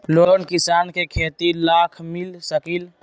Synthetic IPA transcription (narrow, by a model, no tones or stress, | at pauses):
loonkisaːnkekʰeːt̪ilakʰmilsəkil